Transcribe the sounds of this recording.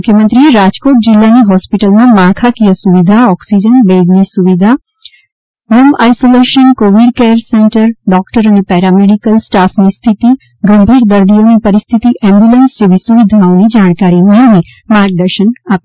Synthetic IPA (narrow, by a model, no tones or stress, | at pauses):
kʰjəmə̃nt̪ɾijeɾaːd͡ʒkoːʈ̚d͡ʒilːaniɦɔːspiʈəlnamaːkʰakijəsuʋid̪ʱaɔːksid͡ʒənbeːɡnisuʋid̪ʱa | muma̰ːjsoleːʃənkoːʋiɖkɛːɾsẽɳʈəɾɖɔːkʈəɾɐnepɛːɾameɖikəlsʈaːfʰnist̪ʰit̪i | ɡɐ̃mbʱiːɾd̪əɾd̪ijõnipɐɾist̪ʰit̪iʔɛ̃ːmbjulənsd͡ʒebisuʋid̪ʱaõnid͡ʒaːɳ̃kaːɾimẽni | maːɾɡ̚d̪əɾʃənaːp̚